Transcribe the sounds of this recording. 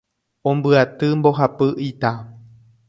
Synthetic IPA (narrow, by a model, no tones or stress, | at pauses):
õmbɨat̪ɨmbo̞ɦapɨʔit̪a